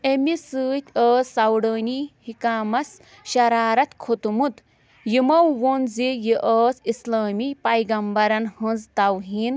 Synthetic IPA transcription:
emisɨːt̪ʲəːsɐwɽɐːnihikaːmɐs | ʃɐɾaːɾɐt̪kʰot̪umut̪ | jimɐwːonzijiʔəːsislaːmipɐjɡɐmbɐɾɐnhɐnzt̪ɐwɦiːn

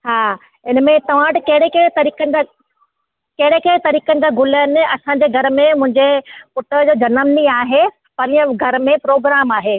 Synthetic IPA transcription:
ɦaː | ɪnmẽt̪ɐʋ̤ãːʈɪkɐɦɪɽekɐɽẽt̪ɐɾiːkənɪ̆d͡ʑa | kɐɦɪɽekɐːɽ̃t̪ɐɾiːkənɪ̆d͡ʑaːɡʊləənɪ̆ɐsãːɲd͡ʑeːɡʱɐɾmẽmʊ̃ɦɪ̃ɲd͡ʑepʊʈəd͡ʑoːd͡ʑɐnəmniaːɦe | pɐɾijə̃ɡʱɐɾmẽpɾoːɡɾaːmaːɦeː

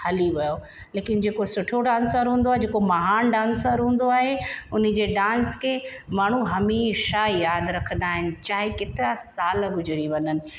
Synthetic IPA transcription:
hɐliʋɐjo | leːkɪnd͡ʑeːkosʊʈʰoɖãːnsəɾɦũːnd̪oaːɦed͡ʑeːkomɐɦaːnɖãːnsəɾɦũːn̆d̪oaːɦeʊn̤ɪ̆d͡ʑeːɖãːnskʰeːmaːɳ̤uɦɐmiʃaːijaːd̪ɾɐkʰə̃nd̪aːɦɪnɪ̆t͡ɕaːɦiket̪ɪɾasaːlɡʊd͡ʑɾiʋɐnənɪ̆

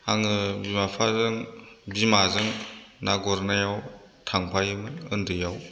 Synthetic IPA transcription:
haŋɯbimapʰazɯŋbimazɯŋnaɡɔɾnajaw | tʰaŋpʰajɯmɯɯndɯjaw

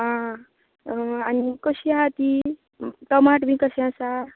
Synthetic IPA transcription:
ɦã | anikəɕiaat̪i | t̪ɔmaʈbĩkəɕĩãsa

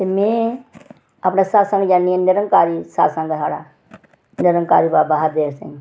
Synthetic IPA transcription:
t̪emẽː | apnasaːsə̃ŋɡd͡ʒaːnːiẽnɪɾəŋkaːɾiːsa̰ːsə̃ŋɡsaːɽaː | nɪɾə̃ŋka̰ːɾiːbaːbaɦəɾd̪eːɾsḛ̃ŋɡ

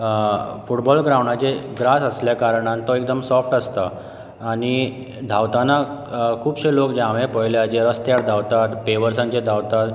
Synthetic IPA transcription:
fuʈbɔlɡɾawɳat͡ɕeɡɾasəsljakaɾəɽ̃ãnt̪ɔek̚d̪əmsɔfʈəst̪əː | ɽ̃i | d̪ʱawt̪anakʰuːbɕelokd͡ʑaʋẽpəjljad͡ʑeɾəst̪jaɽd̪ʱawt̪at̪peʋəɾsãɲt͡ɕed̪ʱawt̪at̪

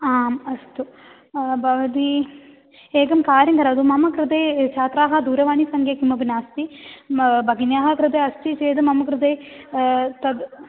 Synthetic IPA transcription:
aːmɐst̪u | bʱɐʋɐd̪i | eːɡɐmkaːɾjɐŋɡɐɾaːd̪umɐmɐkɾɨd̪eːt͡ʃʰaːt̪ɾaːɦɐd̪uːɾɐʋaːɳisɐŋɡjekimɐbinaːst̪i | bʱɐɡinjaːɦɐkɾɨd̪eːɐst̪it͡ʃeːd̪ɐmɐmɐkɾɨd̪eː | t̪ɐd̪

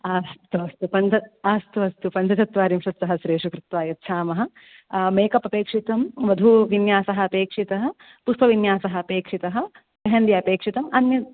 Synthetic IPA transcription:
aːst̪uɐst̪upɐnt͡ʃɐaːst̪uɐst̪upɐnt͡ʃɐt͡ʃɐt̪ʋaːɾimʂɐt̪sɐɦɐʃɾeːʂukɾɪt̪ʋaːjɐt̪ːʃʰaːmɐɦɐ̆ | meːkɐpɐpeːkʂit̪ɐmʋɐd̪ʱuʋinjaːsɐɦɐɐpeːkʂit̪ɐɦɐ̆ | pust̪ʰɐʋinjaːsɐɦɐ̆ːpeːkʂit̪ɐɦɐ̆ | pɐɦɐnd̪jɐɐpeːkʂit̪ɐmɐnjɐ

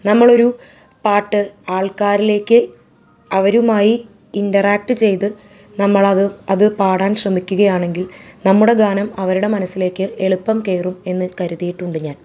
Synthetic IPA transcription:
nɐmːɐɭo̞ɾu | paːʈːɨaːɭkaːɾile̞ːkːɨ | ɐʋɐɾumaːji | indɐraːk̚ʈɨt͡ɕe̞jt̪ɨ | nɐmːɐɭɐɐðɨpaːɽaːnɕrɐmikʲːuɣɐjaːɳe̞ŋɡilnɐmːuɽe̞ɡaːnɐmɐʋɐɾuɽe̞mɐnɐsːile̞ːkːɨe̞ɭupːɐmke̞ːrume̞nːɨkɐɾuðijiʈːuɳɖuɲːaːl

